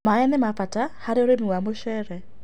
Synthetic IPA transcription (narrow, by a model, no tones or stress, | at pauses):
maɛnɛmafatahaɾeoɾemiwamoʃɛɾɛ